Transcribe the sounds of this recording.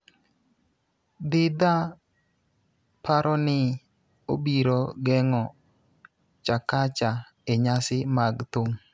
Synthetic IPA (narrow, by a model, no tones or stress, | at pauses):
d̪ɪd̪a | paɾʔɔnɪ | o̰biɾoɡɛŋɔ | t͡ʃakat͡ʃa | eɲasɪmaɡt̪oŋ